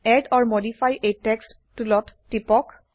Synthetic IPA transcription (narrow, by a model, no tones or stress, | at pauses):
ɛɖɔɹmodifʰajʔetɛkstːulɔtːipɔk